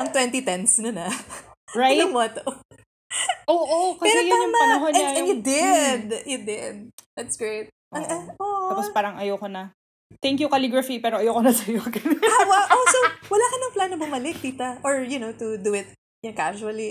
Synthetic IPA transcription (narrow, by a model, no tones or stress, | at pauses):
ʔɐŋt̪wɛnt̪it̪ɛnsnɐnɐ | ɹaɐmot̪o | ʔoːʔokɐpɛːɾoj̪amɐɦonɛnaɛ̃njʊd̪ɪd̪̚jʊd̪ɪd̪̚d̪at̪sɡ̥ɹeɪt̪̚ʔɐŋʔɐʔoːʔapospaːɾɐŋʔɐjoːkonɐ | t̪ɛŋkjukɐliɡɹɐfipɛːɾoʔɐjokonɐsɐjoɡɐnhaːwaʔosowɐlaːkɐnɐŋplanːɐbʊmɐlɪk̚t̪iːt̪ɐʔoɹjʊnowt̪ʊd̪uɪt̪̚ | jɐnkaʃuɐli